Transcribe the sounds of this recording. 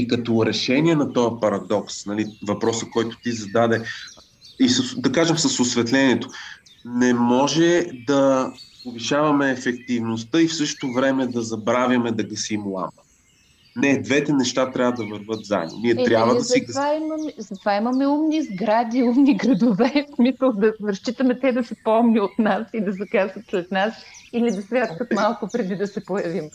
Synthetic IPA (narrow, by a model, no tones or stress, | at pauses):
ikɐt̪ɔɾɛʃɛniɛnɐt̪ɔjɐpɐɾɐd̪ɔksnɐlivɐpɾɔsəkɔjt̪o̥t̪izɐd̪ad̪ɛ | isɐsd̪ɐkaʒɛmsɐsosvɛt̪lɛniɛt̪o | nɛmɔʒɛd̪ɐpoviʃavɐmɛːfɛk̚t̪ivnost̪əifsɤʃt̪ovɾɛmɛd̪ɐzɐbɾavjɐmɛd̪ɐɡɐsiːmlˠa̰mɐ | nɛd̪vɛt̪ɛnɛʃt̪at̪ɾʲjavəd̪ɐvəɾvɤt̪za̰no̰niɛt̪ɾʲjabvəd̪ɐsiɡvaimɐmɛzɐt̪ovaimɐmɛumnizɡɾad̪iumniɡɾɐd̪ovɛsmisəlˠd̪ɐɾɐʃt͡ʃit̪əmɛt̪ɛd̪ɐsɛpɔmnʲiot̪nasid̪ɐzɐkasvət̪slɛt̪nasilid̪ɐsvʲjat̪kət̪malˠkʊpɾɛd̪id̪ɐsɛpojɐvim